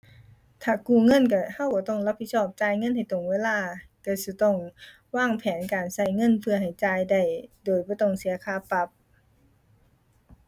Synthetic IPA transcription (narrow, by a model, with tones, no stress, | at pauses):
t̪ʰaː˧˩kuː˧˩ŋɤ˧˥˨nk̬a˧˩ha˧˩˨wkɔː˧˩˦t̪ɔ˧˩˨ŋla˧pʰːi˧t̪̚sɔː˧˩p̚t͡ɕaː˧˥jŋɤ˧˥˨nha˨˩jt̪o˨˩ŋweː˧˥˨laː˧˩˨ka˧˩sɯ˧˩t̪ɔ˧˩˨ŋ | waː˧˥˩ŋpʰɛː˨˦nkaː˨˩nsa˧˩jŋɤ˧˥˨npʰɯ˧ɐha˨˩jt͡ɕaː˧jda˧˩jdoː˨˩jbɔː˧˦t̪ɔ˧˩ŋsi˨˦ɐkʰaː˧˩pa˧˦p̚